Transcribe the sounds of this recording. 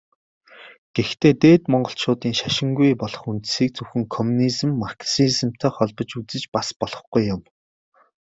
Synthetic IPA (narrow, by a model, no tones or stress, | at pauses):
ɡ̥ext̪ʰeːt̪eːt̪mɔɴɢɞ̆ɬt͡ɕʊːt̪iːŋʃaʃɪ̆ŋɡujpɔɮɞ̆χunt̪siːk̚t͡sɵwxɘ̆ŋkʰɔmuniz̆mːarksizə̆m̥t̪ʰœːχɔɮpɞ̆t͡ɕut͡sɘ̆t͡ɕpaspɔɮɞ̆χɡujːʊm